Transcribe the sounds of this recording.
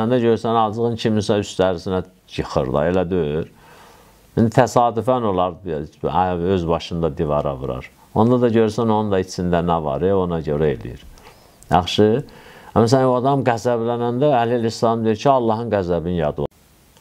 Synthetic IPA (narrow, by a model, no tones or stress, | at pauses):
ænd̪æɟøɾysænɑlˠd͡ʒɯɣɯncʰiminsæyst̪æɾisinæ | jɯxɯ̰ɾd̪ˠɑ̰elæd̪øyɾ | hind̪it̪ʰæsɑːd̪yfæno̞lˠɑɾd | øzbɑʃɯnd̪ɑd̪ivɑɾɑ̰vɯ̰ɾɑ̰ɾ | o̞nd̪ɑd̪ɑɟø̞ɾsæno̞nund̪ɑit͡ʃsind̪ænævɑ̰ɾeonɑɟøɾæelḭjḭɾ | jɑ̰χʃɯæmæsænoɑd̪ɑmɡæzæblænænd̪æːliilislɑmd̪ijiɾcʰiɑlˠːɑɦɯnɡæzæbinjɑd̪ɯ